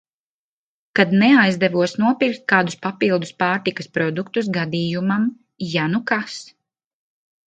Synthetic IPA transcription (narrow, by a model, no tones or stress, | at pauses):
kad̪nɛajzd̪ɛvuɔsnuɔpiɾkt̪̚kaːd̪uspapilˠd̪uspaːɾt̪ikɐspɾɔd̪ukt̪us̬ɡad̪iːjumam | janukas